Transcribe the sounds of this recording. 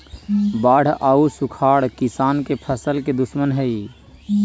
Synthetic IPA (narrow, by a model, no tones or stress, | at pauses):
baːɽ̤ʱʔausukʰaːɽkisaːnkepʰəsəlked̪usmənɦəi